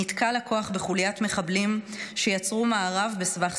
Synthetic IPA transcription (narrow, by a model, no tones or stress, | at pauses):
it̪kalako̞aχbeχuljatme̞χablim | ʃejat͡sʁumaːʁavbe̞svaχ